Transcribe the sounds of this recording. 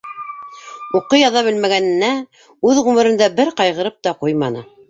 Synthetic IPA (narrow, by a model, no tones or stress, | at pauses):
uqɤjɑðɑbɘ̆lmæɡænɘ̆nːæ | ʉðʁʉmɘ̆ɾɘ̆nd̪æbɘɾqɑjʁɤ̆ɾɤp̚t̪ɑqujmɑnɤ